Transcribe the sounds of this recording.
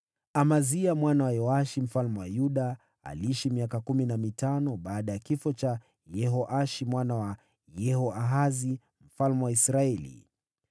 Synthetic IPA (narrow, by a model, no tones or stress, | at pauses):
amaziamwanawajɔaʃim̩falmɛwajuɗa | a̰liiʃimiakakuminamitanɔɓaːɗajakifɔt͡ʃa | jɛɦɔʔaʃimwanawa | jɛhɔʔaɦazi | m̩falmɛwaisɾaɛlḭ